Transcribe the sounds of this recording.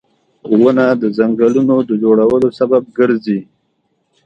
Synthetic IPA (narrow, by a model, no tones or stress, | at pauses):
wənad̪əzaŋɡəlunod̪əd͡ʒoɽawəlosabab̚ɡəɾzi